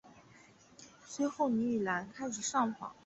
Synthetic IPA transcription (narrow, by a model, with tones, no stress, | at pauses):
swe˥ɪxo˥˩ʊni˧˥y˨˩la˧˥nkʰa˥ɪʂ̬ɻ̩˨˩ʂɑ˥˩ŋfɑ̰˨˥˦ŋ